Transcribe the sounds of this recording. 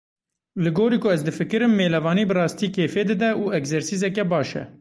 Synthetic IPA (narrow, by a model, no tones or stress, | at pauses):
lɨɡoːɾiːkʰʊɛzd̪ɨfɨkɨɾɨmːeːlɛvɑːniːbɨrɑːst̪iːkʰeːfeːd̪ɨd̪ɛʔuːɛkzɛɾsizɛkɛbɑːʃɛ̰